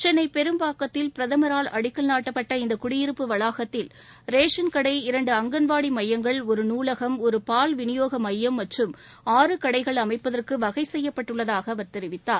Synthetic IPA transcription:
t͡ʃɐnɐɪpɛɾɯmbaːkːɐt̪ːɪlpɪɾɐðɐmɐɾaːlɐɽɪkːɐlnaːʈːɐpːɐʈːɐɪnd̪ɐkʊɽɪjɪɾɯpːɯʋɐɭaːɣɐt̪ːɪl | ɾeːʂɐnkɐɽɐɪɪɾɐɳɖɯɐŋɡɐnʋaːɽimɐjːɐŋɡɐɭɔɾɯnuːlɐɣɐmɔɾɯpaːlʋɪnɪjoːɣɐmɐjːɐmːɐʈrɯm | aːɾɯkɐɽɐɪɣɐɭɐmɐɪpːɐðɐrkɯʋɐɣɐɪsɛjːɐpːɐʈːɯɭːɐðaːɣɐːʋɐɾt̪ɛɾɪʋɪt̪ːaːɾ

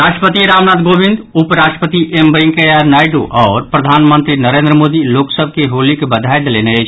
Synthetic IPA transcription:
ɾaʃʈɾəpət̪iɾamnat̪ɡobĩnd̪upɾaʃʈəpət̪iʔembəŋkejaɾnajɖoʔɔːɾpɾəd̪ʱanmənt̪ɾinəɾend̪ɾəmod̪iloksəbʱkeɦolikebəd̪ʱaed̪leneəjt͡ʃʰ

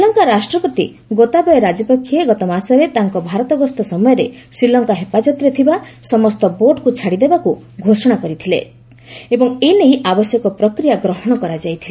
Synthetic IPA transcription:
sɾilɔŋkaɾasʈɾɔpɔt̪ḭ | ɡot̪abɔjɔɾad͡ʒɔpɔkʰːieɡɔt̪ɔmasɔɾet̪aŋkɔbʱaɾɔt̪ɔɡɔst̪ɔsɔmɔjɔɾe | sɾilɔŋkaɦepad͡ʒɔt̪ɔɾet̪ʰibasɔmɔst̪ɔboɖkut͡ʃʰaɽid̪ebaku | ɡʱosɔɽ̃akɔɾit̪ʰile | ebɔŋenejʔabɔsjɔkɔpɾɔkɾijaɡɾɔɦɔɽ̃ɔkɔɾad͡ʒajt̪ʰile

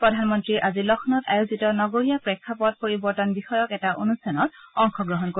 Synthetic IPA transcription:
pɹɔdʱanmɔntɹiʔazilɔxʰnɔta̰juzitɔnɔɡoɹijapɹɛkʰːapɔt̚poɹibɔɹtɔnbixɔjɔkɛtaʔonustanɔtɔŋxʰɔɡɹɔɦɔnko

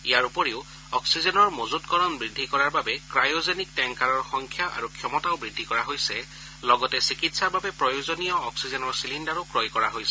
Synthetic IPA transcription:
ijaɹupɔɹeʊ | ɔksizɔnɔɹmozutkɔɹɔnbɹidʱːikɔɹaɹbabɛkɹajozenik̚tɛŋkaɹɔɹxɔŋkʰjaʔa̰ɹukʰjɔmɔtaʊbɹidʱːikɔɹaɦojsɛ | lɔɡɔtɛsikitsaɹbabɛpɹɔjozonijɔːksizɛnɔɹsilindaɹɔkɹɔjkɔɹaɦojsɛ

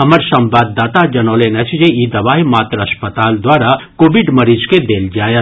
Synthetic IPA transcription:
ɦɐməɾsɐ̃mbaːd̪ːaːt̪ad͡ʒɐnoːlenɐt͡ʃʰd͡ʒeid̪ɐʋaːɦimaːt̪ɾɐspət̪aːld̪waːɾakoːbɪɖmɐɾiːd͡ʒked̪eːld͡ʒaːjə

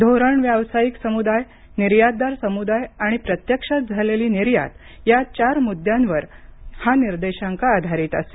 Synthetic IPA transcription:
d̪ʱoɾəɳʋjaʋsajiksəmud̪aj | niɾjat̪̚ːaɾsəmud̪ajaɽ̃ipɾət̪jəkʂat̪̚d͡zʱaleliːniɾja̰t̪ | jat͡ɕaɾmud̪janʋəɾhaniɾd̪eɕãŋkaːd̪ʱaɾiːt̪ə̰se̥

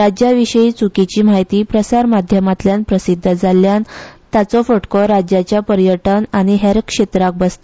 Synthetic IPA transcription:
ɾad͡ʑjaʋiɕəiːt͡sukit͡ɕiːm̤aɦjt̪iːpɾəsaɾmad̪ʱjəmat̪ljanpɾəsid̪ʱːəd͡zaljant̪at͡sɔfəʈkɔɾad͡ʑjat͡ɕjapəɾjəʈənaɽ̃iɦeɾkʂet̪ɾak̚bəst̪

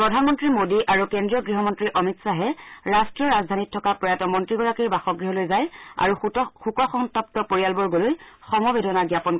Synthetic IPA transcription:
pɹɔdʱanmɔntɹimodiʔaɹukendɹijɔɡɹiɦɔmɔntɹiʔɔmitsaɦɛɹastɹɔɹazdʱanitʰːɔkapɹɔjatɔmɔntɹiɡɔɹakiɹbaxɔɡɹiɦɔlojzaja̰ɹuxukɔxɔŋtɔp̚tɔpoɹijalbɔɹɡolojxɔmɔbedʱɔnaɡjapɔnk

